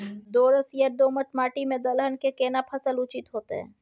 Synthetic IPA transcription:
d̪oːɾəsijəɾd̪oːmətmaːʈimẽd̪əlɦənkekeːnapʰɐsəlʊt͡ʃit̪ɦoːt̪ḛɦɛ̰̃ː

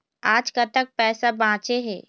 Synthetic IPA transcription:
aːd͡ʒkət̪ək̚pɛːsabãːt͡ʃeɦɛ̃ː

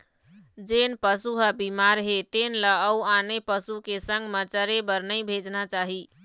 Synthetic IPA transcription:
d͡ʒenpəsuɦəbimaɾɦet̪enləəuanepəsukesəŋɡmət͡ʃəɾebəɾnəjbʱed͡ʒnat͡ʃaɦi

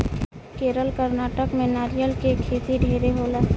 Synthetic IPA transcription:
keːɾəlkəɾnaːʈəkmẽnaːɾijəlkekʰeːt̪iɖʱeːɾeɦoːlaː

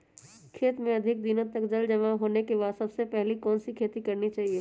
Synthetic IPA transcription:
kʰeːt̪mẽɐd̪ʱɪk̚d̪ɪnõt̪ɐkd͡ʒɐld͡ʒɐmaɦoːnekeβaːd̪sɐbsepɛɦlikɔːnsikʰeːt̪ikɐɾnit͡ʃaːɦie

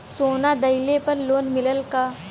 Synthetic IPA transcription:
soːnad̪ɐɪlepɐɾloːnmɪləlka

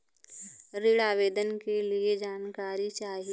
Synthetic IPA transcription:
ɾɪɽaːʋeːd̪ənkelied͡ʒaːnkaːɾit͡ʃaːɦi

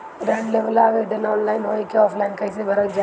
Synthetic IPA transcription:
ɾeɖleʋəlaːʋeɖ̪ənɔːnlaːɪnɦoːikeɔːfʰlaːɪnkɐɪsebʱɐɾəkd͡ʒa

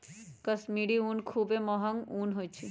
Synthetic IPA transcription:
kəsmiɖiunkʰubemɔɦəŋunɦojt͡ʃʰi

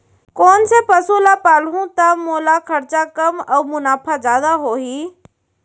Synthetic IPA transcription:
koːn̆sepɐsulapaːlɦũt̪ɐmoːlakʰɐɾt͡ɕakɐmɐːmʊnaːfazaːd̪aɦoːɦiː

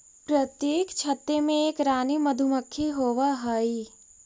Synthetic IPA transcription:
pɾət̪jeːkt͡ʃʰət̪ːemẽeːkɾaːniməd̪ʱuməkʰːiɦoːʋaɦəi

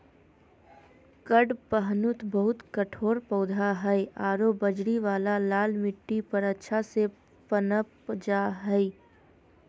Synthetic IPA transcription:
kəɖpəɦnʊt̪bɐɦʊt̪kəʈʰoːɾpɐːd̪ʱaɦɛeaːɾoːbəd͡ʒɽiʋaːlalaːlmɪʈːipɐɾɐtːʃʰase | pənəpd͡ʒaːɦɛi

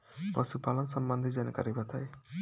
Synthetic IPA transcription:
pɔsupalɔnsəmbənd̪ʱid͡ʒanka̰ɾibat̪aj

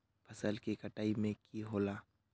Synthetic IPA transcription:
pʰɐsəlkikəʈaːimẽkiɦoːlaː

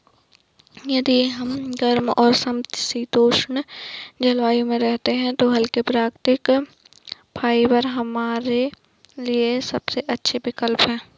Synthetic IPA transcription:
jɐd̪iɦɐmɡɐɾmɔːɾsɐmt̪sit̪oːʃəɳd͡ʒɐlʋaːjõmẽɾɛɦt̪eɦɛ̃t̪oɦɐlkepɾaːkt̪ɪk | pʰaːibəɾɦɐmaːɾe | liesɐbseʔɐtːʃʰebɪkəlpɦɛ̃ː

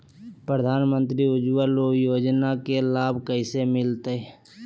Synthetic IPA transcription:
pɾəd̪ʱaːnmə̃nt̪ɾiʊd͡ʒʋalojoːd͡ʒnakelaːbʱkəɪsemɪlt̪ee

